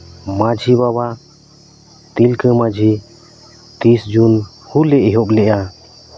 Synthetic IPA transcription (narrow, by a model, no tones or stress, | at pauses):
mad͡ʒʱibaβa | t̪ilkəmad͡ʒʱi | t̪isd͡ʒun | hulɛʔɦɔplɛʔa